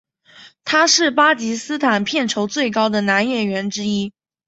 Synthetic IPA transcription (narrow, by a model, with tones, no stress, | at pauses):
t̪ʰa˥ʂɻ̩˥˩pa˥t͡ɕi˧˥sɹ̩˥t̪ʰa˨˩npʰjɛ˥˩nʈ͡ʂʰo˧˥ʊt͡swe˥˩ɪkɑ˥ʊd̪ə˨na˧˥njɛ˥˩ɥɛ˧˥nʈ͡ʂɻ̩˥i˥